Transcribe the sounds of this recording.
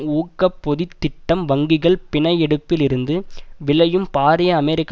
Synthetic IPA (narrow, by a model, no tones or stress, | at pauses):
uːkːɐpːɔðɪt̪ːɪʈːɐmʋɐŋɡɪɣɐɭpɪɳɐjɛɽɯpːɪlɪɾɯnd̪ɯʋɪlɐjɯmpaːɾɪjɐːmɛɾɪkː